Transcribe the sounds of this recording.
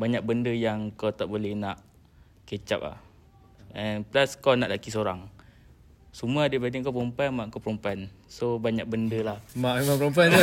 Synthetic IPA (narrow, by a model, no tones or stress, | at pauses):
baɲak̚bəndəjaŋkawt̪aʔbolɛhnaʔ | ket͡ʃa̰p̚la̰h | ɛnplaskawnaʔlakisoɾaŋ | sumuadəbadiŋkapompanmaʔŋkapəɾompansobaɲak̚bəndəlahmaʔmapɾomp̬ant